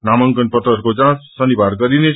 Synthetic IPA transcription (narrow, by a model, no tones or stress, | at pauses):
namʌŋkʌnpʌt̪ɾʌɾkod͡zãsʌnibʱaɾɡʌɾine